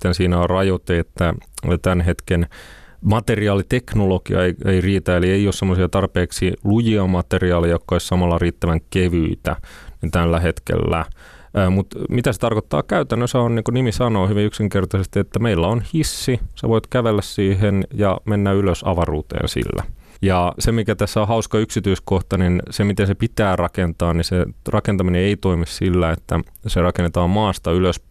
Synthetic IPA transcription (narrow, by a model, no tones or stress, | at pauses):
t̪ːensiːnæorɑjot̪eet̪ːæt̪ænɦet̪kenmɑt̪eriɑːlit̪eknolokiɑ̰eieiriːt̪æelieiossemːosiɑt̪ɑrpeːksilujiɑmɑt̪eriɑːlijɑjokːɑoissɑmɑlːɑriːt̪ːæʋæŋkeʋyit̪æ̰nint̪ælːæhet̪kḛlːæ̰ | mut̪mit̪æse̥t̪ɑrkot̪ːɑ̰ːkæyt̪ænːøsæonniːŋkunimisɑnoːhyʋiyksiŋkert̪ɑsest̪iet̪ːæmeilːæonhisːisḛʋoit̪kæʋelːæssiːɦenjɑmenːæyløsɑ̰ʋɑruːt̪ḛːnsḭlːæ̰ | jɑsemikæt̪æsːæohɑuskɑyksit̪yiskoht̪ɑninsemit̪ensepit̪æːrɑkent̪ɑːnniserɑkent̪ɑmineeit̪oimissilːæet̪ːæ | serɑkenet̪ɑːmmɑːst̪ɑyløs